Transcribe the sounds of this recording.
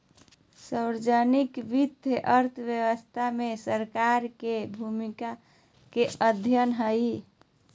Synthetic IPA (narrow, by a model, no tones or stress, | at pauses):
səwɾd͡ʒənikʋit̪eʔəɾt̪ʰbjəwəst̪ʰamesəɾkaɾkebʱumika | keəd̪ʱjənɦəj